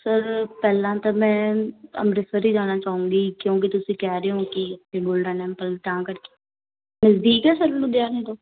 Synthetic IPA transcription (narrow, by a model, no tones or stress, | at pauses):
səɾpɛːlãːt̪aːmɛ̃ːə̰mɾɪsəɾiːd͡ʒaːnaːt͡ʃaːũːŋɡiːkjõːk̬it̪ʊsĩːkɛːɾeːõːkɪeːɡoːlɖãːnɛ̃ːmpəlʈ̪ãːkəɾke̥ː | məzd̪iːkɛːsəɾlũd̪ɪaːnẽːt̪oː